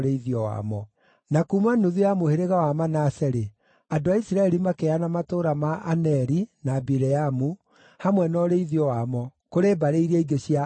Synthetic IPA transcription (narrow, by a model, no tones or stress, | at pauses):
ɾeiðiɔwa̰mɔ | nakumanuðujamoheɾeɣawamanasɛɾe | adoaisiɾaɛɾimakeanamatoɾamaʔːnɛɾinabiɾɛamu | hamwɛnɔɾeiðiɔwamɔkoɾebaɾeiɾɛiɡeɕia